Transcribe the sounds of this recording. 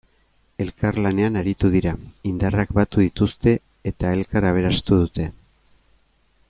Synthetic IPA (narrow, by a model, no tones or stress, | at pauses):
e̞lkarlane̞anaɾit̪uðiɾaind̪arakbat̪uðit̪ust̪e̞ | et̪ae̞lkaɾaβ̞e̞ɾast̪uðut̪e̞